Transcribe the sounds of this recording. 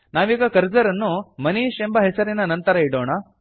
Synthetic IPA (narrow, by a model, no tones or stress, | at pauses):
naːʋiːɡɐkɐɾd͡ʒɐɾɐnːumɐniːʃembɐɦɛsɐɾinɐnɐnt̪ɐɾɐiɽoːɳɐ